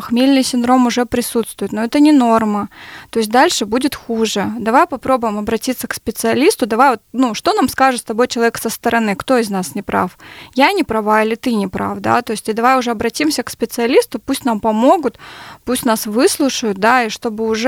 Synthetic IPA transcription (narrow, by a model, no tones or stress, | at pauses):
xmʲilʲnɨjsʲɪnd̪ɾo̞mʊʐɛpɾʲɪsut̪st̪vʊjɪt̪noɛt̪ənʲɪno̞rmət̪o̞ɪsʲt̚ʲd̪alʲʂɨbudʲɪt̪xuʐɨd̪ɐvajpɐpɾo̞bʊjɪmɐbɾɐtʲit̪sːəkspʲɪt̪sɨɐlʲist̪ʊd̪ɐvajvot̪nuʂt̪o̞namskaʐɨt̪st̪ɐbo̞jt͡ɕɪlˠɐvʲeksəst̪əɾʔɐnɨkt̪o̞ɪznasnʲɪpɾa̰fjanʲɪpɾɐvailʲɪt̪ɨnʲɪpɾa̰fd̪a̰t̪oɪsʲtʲɪd̪ɐvajʊʐɛɐbɾɐtʲimsʲəkspʲɪt̪sɨɐlʲist̪ʊpusʲtʲnampɐmo̞ɡʊt̪pusʲtʲnasvɨslˠʊʂəjʊt̪̚d̪aiʂt̪o̞bɨʊʐ